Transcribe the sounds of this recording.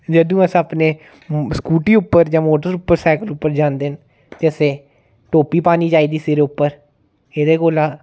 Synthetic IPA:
d͡ʒəd̪ũːəsəpneː | skuːʈiːʊpːəɾd͡ʒãːmoːʈəɾʊpːəɾsɛːkəlʊpːəɾd͡ʒãːnd̪eːn | t̪eːəseː | ʈoːpiːpaːniːd͡ʒaːiːd̪iːseːɾeːʊpːəɾ | eːd̪eːkoːlaː

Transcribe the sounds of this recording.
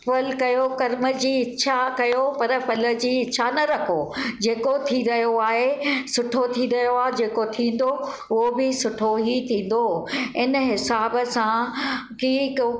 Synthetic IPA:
pəlkɐjokɐɾmə̆d͡ʑiːɪːɕʰakɐjopɐɾəpɐlə̆d͡ʑiːɪt͡ɕʰanɐɾɐkʰod͡ʑeːkot̪ʰiɾɐɦijoaːɦesʊʈʰot̪ʰiɾɐɦjoaːd͡ʑeːkot̪ʰĩːn̆d̪o | ʊɦobɪsʊʈʰoɦit̪ʰĩːn̆d̪oɪnɦɪsaːbəsãki

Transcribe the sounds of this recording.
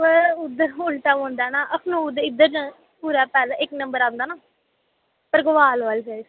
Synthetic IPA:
əʊd̪ːəɾɦoːlt̪aːõːnd̪aːnaːʔəkʰnũːd̪ɪd̪əɾd͡ʒã | puːɾaːpɛːlaːʔɪknə̃mbəɾãːnd̪aːnaː | pəɾɡʊʋaːlʋaːlsə

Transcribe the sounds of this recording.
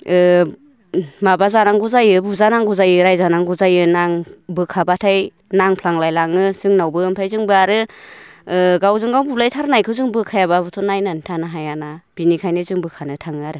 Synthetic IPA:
ɯ | mabazanaŋɡuzajɯbuzanaŋɡuzajɯɾajzanaŋɡuzajɯnaŋbɯkʰabatʰaj | naŋpʰlaŋlajlaŋɯsɯŋnawbɯɯmpʰajzɯŋbɯaɾɯ | ɡawzɯŋɡawbulajtʰaɾnajkʰɯwzɯŋbɯkʰajababɯtʰɔnajnantʰanaɦajanab̥inikʰajnɯzɯŋbɯkʰanɯtʰaŋɯaɾɯ

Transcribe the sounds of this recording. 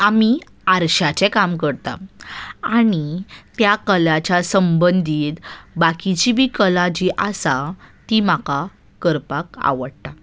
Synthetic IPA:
ami | aɾɕat͡ɕɛ̃kamkəɾt̪a̰aɽ̃it̪jakəljat͡ɕasəmbənd̪ʱiːt̪bakit͡ɕibʱiːkəlad͡ʑiʔasat̪imaka | kəɾpaka̰ʋəɽt̪a

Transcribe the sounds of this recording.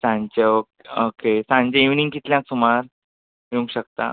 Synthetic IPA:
sãɲt͡ɕeokokesãɲt͡ɕẽiʋnĩŋkit̪ljãksumaɾ | jũŋɡɕək̚t̪a̰

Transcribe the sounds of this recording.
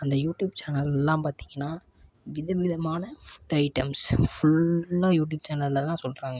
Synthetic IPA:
ɐnd̪ɐjuːʈjuːbt͡ʃaːnɐlɛlːãːpaːɾt̪iːŋɡɐnːaː | ʋɪðɐʋɪðɐmaːnɐfʊ̥ʈːɐɪʈɐmsfʊɭːajuːʈ̬juːb̚t͡ʃaːnɐlːɐt̪ãːsɔlɾaːŋɡɐ

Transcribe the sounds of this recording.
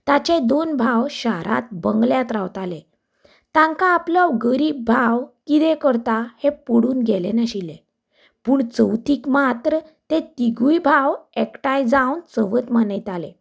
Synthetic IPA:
t̪at͡ɕed̪onbʱawɕaɾa̰t̪̚bəŋɡljat̪ɾawt̪alẽ | t̪ãŋkãːpləwɡəɾiːb̚ːʱawkid̪ekəɾt̪ahepuɽuːnɡɛlenaɕilẽ | puːɳt͡səwt̪iːkmat̪ɾə | t̪et̪iɡujbʱawekʈajd͡zawnt͡səʋət̪mənəjt̪alẽ

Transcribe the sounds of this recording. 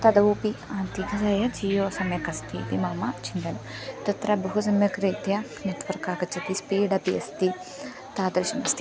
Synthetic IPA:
t̪ɐd̪ɐuːpiant̪iɡʱɐzajɐd͡ʒiːjoːsɐmɐkɐst̪ʰḭːt̪imaːmɐt͡ʃind̪ɐnɐt̪ɐt̪ɾɐbuɦusɐmjɐkɾet̪jɐ | nɐt̪ʋɐɾkaːkɐt͡ʃɐpispiːɖɐpiɐ̰st̪i | t̪aːd̪ɐɾʃɐnɐst̪i

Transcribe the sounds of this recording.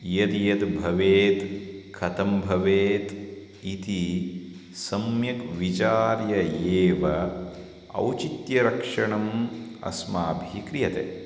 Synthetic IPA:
jɐt̪jɐt̪bʱɐʋeːt̪kʰɐt̪ɐmbʱɐʋeːt̪ | it̪i | sɐmjɐkʋit͡ʃaːɾjɐeːʋɐ | ɐ̰wt͡ʃit̪jɐɾɐkʂɐɳɐmɐ̰smaːbʱikɾijɐt̪ḛː

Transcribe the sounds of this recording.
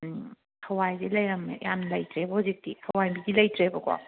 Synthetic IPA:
hʰɐwajzelɐjɾɐmḛjʔanlɐjtɾebozik̚tihʰɐwajbidilɐjtɾebɐɡwa̰w

